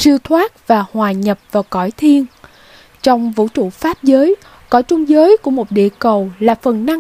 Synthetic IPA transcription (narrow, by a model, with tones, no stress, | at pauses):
sɨ˧t̪ʰwaː˦˥t̚vaː˨˩hwaː˨˩ɲə˨˩p̚vaː˨˩wkɔ˧˩jt̪ʰi˧ən | t͡ɕɔ˧wŋ͡mvṵ˧˥t͡ɕṵ˧˩˨faː˦˥p̚zəː˨˦j | kɔ˧˩˦jt͡ɕʊ˧ŋ͡mzəː˨˦jku˧˥əmo˨˩t̚ɗḭ˧˨kə˨˩wlaː˨˩fə˨˩nna˧